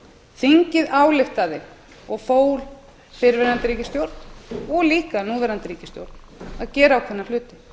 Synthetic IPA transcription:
θiɲcɪðaːwlɪft̪aðɪ | ɔɣfoːwl | fɪɾvɛɾant̪ɪɾiːcɪst̪jowɾt̪n̥ɔɣliːkanuːvɛɾant̪ɪɾiːcɪ̥st̪jowɾt̪n | aðcɛːɾaːwkʰvɛnːaflʏːt̪ɪ̥

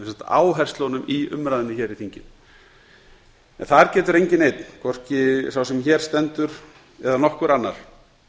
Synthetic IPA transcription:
sat̪a̰ːwɦɛr̥st̪lɔnʏmiʏ̰mɾajðɪnːɪçɛːɾiθiɲcɪm | ɛ̰nθaɾcɛːt̪ʏɾejɲcɪnejt̪nkʰɔr̥cɪsawsɛmçɛːɾ̥st̪ɛnt̪ʏɾ̥ | ɛðanɔhkʏɾanːa̰ɾ̥

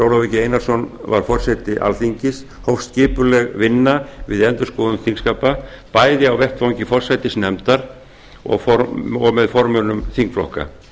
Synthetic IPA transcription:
sowɾavicɪejnaɾ̥sɔnva̰ɾ̥fɔr̥sɛt̪ɪʔa̰lθiɲcɪs | howfst̪cɪːpʏlɛɣvɪnːavɪðɛnt̪ʏskɔːðʏmθiŋkskaːpa | paːjðɪawvɛht̪fawŋɲcɪfɔr̥sajt̪ɪsnɛmt̪aɾ | ɔ̰ɣfɔɔɣmɛðfɔɾmʏnʏmθiŋkflɔ̰hka̰

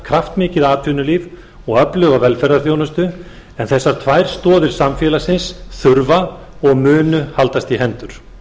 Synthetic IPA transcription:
kʰɾaft̪mɪːcɪðaːt̪ʰvʏnʏliːv | ɔɣœplœːɣavɛlfɛɾaɾ̥θjownʏst̪ʏ | ɛnθɛsːaɾ̥t̪ʰvajɾ̥st̪ɔːðɪɾ̥samfjɛːlasɪnsθʏɾva | ɔɣmʏːnʏhalt̪ast̪iɦɛnt̪ʏɾ̥

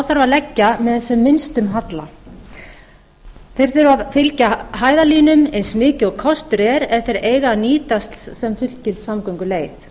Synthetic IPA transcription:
awθaɾvalɛcːamɛðɛsɛmːɪnst̪ʏmɦat̪la | θejɾ̥θʏɾʏavfɪlcaɦaːjðaliːnʏmejnsmɪːcɪɔkʰɔst̪ɾɛɾɛft̪ɪɾeːjɣaniːt̪ast̪ssɛmfʏt̪lt̪cɪlt̪samkɔŋkʏleːjθ

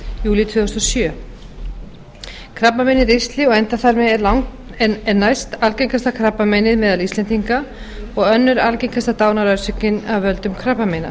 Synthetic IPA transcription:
juːlɪt̪ʰvʏːðɔst̪ɔsjœː | kʰɾapmamɛnɪɾest̪lɪɔɣɛnt̪aθaɾmɛðɛɾlawŋ | ɛɾnajst̪alcejŋkast̪akʰɾapːamɛnɪðmɛːðalist̪lɛnt̪iŋka | ɔɣœnːʏɾalcejŋkast̪at̪aːwnaɾœɥɾsʏkɪnavvœlt̪ʏmkʰɾapːamena̰

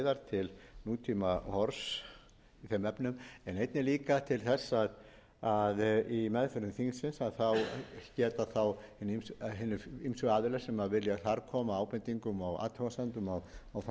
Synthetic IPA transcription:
ðaɾt̪ʰɪlnuːt̪ʰimahɔɾs | iθɛmɛpnʏmɛnejt̪nɪliːkat̪ʰɪlθɛsːað | aðimɛðfɛɾʏnθiŋsɪnsaðθawcɛːt̪aθawhɪnːimsɦɪnːʏimsʏaːðɪlɛɾ̥sɛmavɪlːjaθaɾkʰɔːmaaːwpɛnt̪iŋkʏmawa̰ːt̪ʰɔwasant̪ʏmawawθ

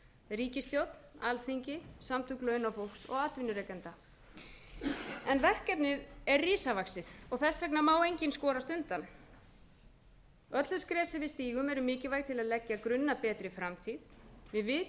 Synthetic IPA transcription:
riːcɪst̪jowt̪n̥alθiɲcɪsamt̪ʰʏklœːɥnafowlksɔ̰ɣaːt̪vɪnːʏɾɛːkɛnt̪a | ɛnvɛr̥kɛpnɪðɛɾriːsavaksɪð̥ɔɣθɛsvɛknamaːwejɲcɪnskɔːɾast̪ʏnt̪an | œt̪lʏskɾɛːsɪvɪðst̪iːɣʏmɛɾʏmɪːcɪvajɣt̪ʰɪlaðlɛcːakɾʏnːapɛːt̪ɾɪfɾamt̪ʰiðvɪðvɪ

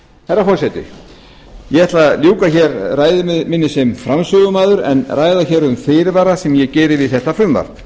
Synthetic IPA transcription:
hɛrːafɔɾsɛt̪ɪ̰ | jɛɛht̪laljuːkaçɛɾraːjðʏmɪnːɪsɛmfɾamsʏɣʏmaːðʏɾɛ̰nrajðaçɛɾʏmfeːɾvaːɾasɛmjɛcɛːɾɪvɪðθɛht̪afɾʏmva̰ɾ

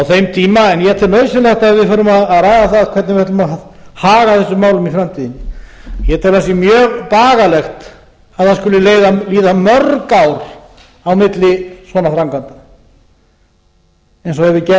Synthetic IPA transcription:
awθejmt̪ʰiːmaɛnjɛt̪ʰɛlmœɥsɪlɛxt̪aðvɪðfʏɾʏmaðaðɾaːjðaθaðkʰvɛt̪nɪvɪhɛt̪ʏmaðhaːɣaθɛsːʏmːaːwlʏmifɾamt̪ʰiːðɪnɪjɛt̪ʰɛlvasɛmjœːɣpaːɣalɛxt̪ | aðθanskʏlɪleːjðaliːðamœrkawɾ̥ | awmɪt̪lɪsvɔːnaθɾawŋkant̪ḁ | ɛjnsɔhɛvɪcɛ

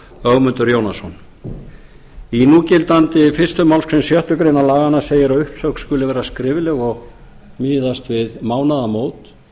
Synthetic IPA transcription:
œɣmʏnt̪ʏɾjownasɔn | inuːcɪlt̪ant̪ɪfɪr̥st̪ʏmawlskʰɾɛnsjœht̪ʏkɾejnalaːɣanːaseːjɪɾaʏhpsœkskʏlɪvɛːɾaskɾɪːvɪlɛɣɔɣ | mɪːðast̪vɪðmaːwnaðamoːwt̪

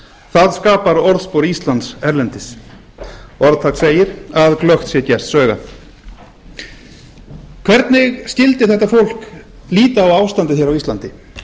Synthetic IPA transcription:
θaðskaːpaɾɔɾðspowɾist̪lant̪sɛɾlɛnt̪ɪs | ɔɾðt̪ʰak̪seːjɪɾaðklœxt̪sjɛcɛr̥t̪sœːɣa̰θ | kʰv̥ɛɾt̪nɪɣscɪlt̪ɪθɛht̪ːafowl̥k | liːt̪aːwaːwst̪ant̪ɪθjɛɾawist̪lant̪ɪ

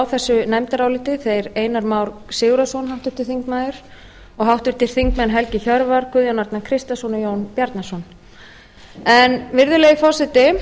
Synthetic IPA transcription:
wθɛsːʏnɛjmt̪aɾaːwlɪːt̪ɪθejɾeːjnaɾmaːwɾsɪːɣɾasɔnɦawht̪ʏ̥ɾ̥t̪ɪɾ̥θiŋkmaːðʏɾ̥ | ɔɣɦawht̪ʏɾ̥t̪ɪɾ̥θiŋkmɛnɦɛlcɪçœɾvaɾ̥kʰvʏðjɔnaɾt̪nakʰɾɪst̪asɔnjoːwnpjaɾt̪nasɔn | ɛnvɪɾðʏleːjɪfɔsɛt̪ɪ

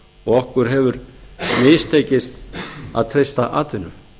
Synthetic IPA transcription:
ɔɣɔhkʏɾ̥ɦɛvʏɾmɪst̪ʰeːjcɪst̪a̰ðt̪ʰɾejst̪aʔa̰ːt̪ɪnʏ

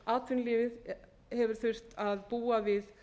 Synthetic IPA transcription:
aːt̪vʏnlɪːvɪð | hɛvʏɾ̥θʏr̥t̪aðpuːavɪð

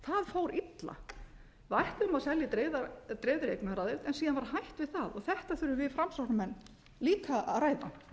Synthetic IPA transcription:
θaðfoːwɾit̪la̰ | vajht̪ʏmaðsɛljɪt̪ɾeðat̪ɾeːðɾejkmɛɾaðɪlt̪ɛnsiːðanvaɾɦajht̪vɪðθaðɔɣθɛht̪aθʏɾʏvɪðfɾamsawhnamɛnː | liːkaaraːjða

